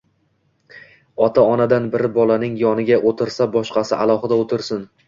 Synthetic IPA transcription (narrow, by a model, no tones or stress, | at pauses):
ɒt̪ʰaɒnad̪anbɪɾɪbɒlˠanɪŋjɒnɪɡʲaʔot̪ʰɪɾsabɒʃqɑsɪʔalˠɒχɨd̪aot̪ʰɪɾsɪn